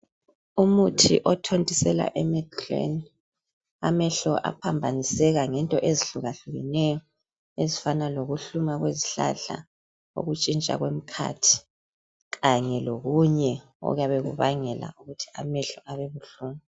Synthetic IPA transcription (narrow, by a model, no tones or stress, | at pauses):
umutʰḭʔɔtʰondʱisɛla̰ʔɛmɛdlḛn | a̰mɛɬɔʔa̰pʰambʱanisɛɣaŋɛntʼɔʔeziɬuɣaɬuɣinɛjɔ | ezifanaloɣuɬumaɣwezi̥ɬa̰ɬa̰ | o̰ɣut͡ʃʼint͡ʃʼa̰ɣwem̩kʰa̰tʰi̥ | ɣaɲɛloɣuɲɛ | ɔ̰ɣjaβɛɣṵβaŋɛla̰uɣutʰi̥amɛɬɔʔaβɛβuɬuːma